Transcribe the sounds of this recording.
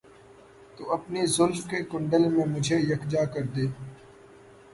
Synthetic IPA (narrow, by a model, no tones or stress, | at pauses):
t̪uːɐpnizʊlfkeːkʊ̃ɳɖəlmẽmʊd͡ʒʱejɐkd͡ʒaːkəɾd̪eː